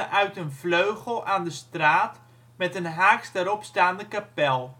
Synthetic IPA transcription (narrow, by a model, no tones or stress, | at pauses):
əʔœɥtənvløɥχəlˠaːndəstraːt | mɛtənɦaːkstəɾɔpstaːndəkapɛlˠ